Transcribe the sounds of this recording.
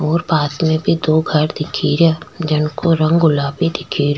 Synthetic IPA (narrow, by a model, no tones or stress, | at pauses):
ɔːɾbaːt̪mẽbʱid̪oːɡʱɐɾd̪ɪkʰiːɾad͡ʒɪnkoɾə̃ŋɡɡʊlaːbʱid̪ɪkʰiːɾ